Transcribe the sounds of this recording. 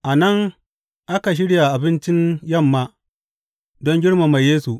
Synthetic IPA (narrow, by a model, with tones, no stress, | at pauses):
ʔa˨nɐ˦˨ŋ | ʔa˦ka˨ʃ̬ɪ˦ɽja˨ʔa˨bɪ˦nt͡ʃɪ˦ɲjɐ˦˨mːaː˦ | dɔ˦ŋɡʲɪ˦ɽma˨ma˨jːeː˦su˨ʔ